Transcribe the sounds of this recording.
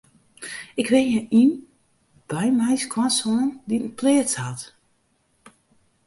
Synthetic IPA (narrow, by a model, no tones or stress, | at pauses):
ɪkʋɪjɛʔin | b̥ɛjmɛjskʰwansɔːnditn̩pʰlɪːəsat